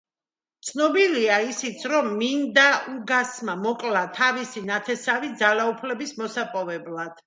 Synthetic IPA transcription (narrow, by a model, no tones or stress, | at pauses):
t̪sʰnɔbiliaisit̪sʰɾɔmːind̪auɡasmamɔkʼlat̪ʰavisinat̪ʰɛsavid̪zalaupʰlɛbismɔsapʼɔvɛblˠad̪̥